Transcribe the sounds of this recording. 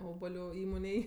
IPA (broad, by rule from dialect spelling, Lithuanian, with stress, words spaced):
ˈoːbɐlʲʊ ˈiːmoːnʲeːj